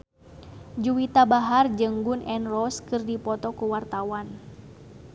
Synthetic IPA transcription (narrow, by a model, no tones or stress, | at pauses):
d͡ʒuwit̪abaɦard͡ʒəŋɡunʔɛnrɔskɨrdipɔt̪ɔkuwart̪awan